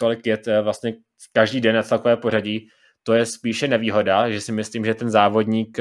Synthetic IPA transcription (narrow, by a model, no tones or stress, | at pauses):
t̪olɪkljɛt̪vlast̪ɲɛ | kaʒdiːdɛnːat͡slakovɛːpo̞r̝aɟi | t̪o̞jɛspiːʃɛnɛviːɦo̞daʒɛsɪmɪsliːmʒɛt̪ɛnzaːvo̞dɲiːk